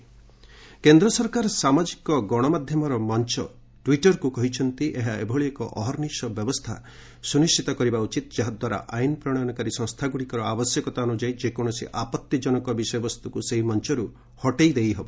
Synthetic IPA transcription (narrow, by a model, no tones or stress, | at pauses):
kend̪ɾɔsɔɾkaɾɔsamad͡ʒikɔɡɔɽ̃ɔmad̪ʱjɔmɔɾɔmɔnt͡ʃɔ | ʈwiʈɔɾkukɔɦit͡ʃʰɔnt̪iʔeɦaebʱɔɭiekɔʔɔɦɔɾnisɔbjɔbɔst̪ʰa̰ | sunisʈʰit̪ɔkɔɾibaut͡ʃit̪̚d͡ʒaɦad̪waɾa̰ʔajnpɾɔɽ̃ɔnɔkaɾisɔ̃ŋ̃st̪ʰaɡuɽikɔɾɔabɔsjɔkɔt̪aunud͡ʒajd͡ʒekɔɽ̃ɔsḭʔapɔt̪jid͡ʒɔnɔkɔbisɔjɔbɔst̪ukuseɦimɔnt͡ʃɔɾu | hɔʈejd̪ejɦɔbɔ